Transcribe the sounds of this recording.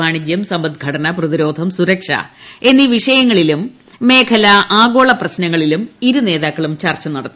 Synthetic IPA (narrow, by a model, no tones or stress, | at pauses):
aːɳid͡ʑjɐmsɐmbɐd̪ɡʱɐɽɐnɐprɐðiɾo̞ːd̪ʱɐmsuɾɐkʂɐ̰e̞nːiʋiʂɐjɐŋːɐɭilumː | e̞ːkʰɐlɐʔaːɡo̞ːɭɐprɐɕnɐŋːɐɭilumiɾune̞ːðaːkːɐɭumt͡ɕɐrt͡ɕɐnɐɽɐt̪ː